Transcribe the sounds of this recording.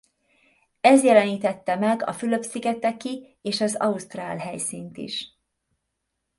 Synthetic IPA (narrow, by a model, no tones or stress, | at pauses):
ɛzjɛlɛniːt̪ɛt̪ːɛmɛɡɒ̰fylø̞psiɡɛt̪ːɛkːi | eːʃɒzɒ̰ust̪raːlɦɛjsiːnt̪ḭʃ